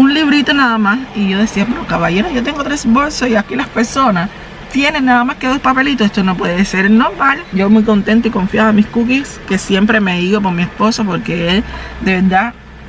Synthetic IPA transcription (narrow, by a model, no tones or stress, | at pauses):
unliβɾit̪o̞naðamasiʝo̞ðe̞siape̞ɾo̞kaβaʝe̞ɾoʝo̞t̪̬e̞ŋɡot̪ɾe̞sbo̞lsoiakilaspe̞ɾso̞nas | t̪je̞ne̞nːaðamaske̞ðo̞spape̞lit̪osest̪ono̞p̬we̞ðese̞ɾno̞malʝo̞mujko̞nt̪e̞nt̪oiko̞ɱfjaðemiskuk̬iske̞sje̞mpɾe̞me̞iɣop̬o̞ɾmie̞spo̞sapo̞ɾke̞eld̪e̞βe̞ɾd̪a